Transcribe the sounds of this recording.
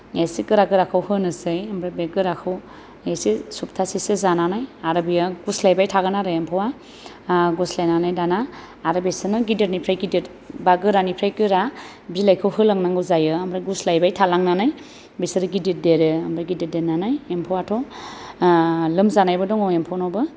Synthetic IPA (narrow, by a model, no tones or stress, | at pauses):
esikɯɾaɡɯɾakʰɯwhɯnɯsɯjamɾabeɡɯɾakʰɯw | esisup̚tʰasisezananajaɾɯbijaɡuslajbajtʰaɡɯnaɾɯjempʰɯwa | ɡuslajnanajdanaː | ɾɯbesɯnɯɡidet̚nipʰɾajɡidit | baɡɯɾanipʰɾajkɯɾa | bilajkʰɯwhɯlaŋnaŋɡɯzajɯamɾaɡuslajbajtʰalaŋnanaj | besɯɾɯɡidit̚deɾɯamɾaɡidit̚denanajempʰɔwatʰɔ | lɯmzanajbɯdɔŋɔwempʰɔnɔbɯ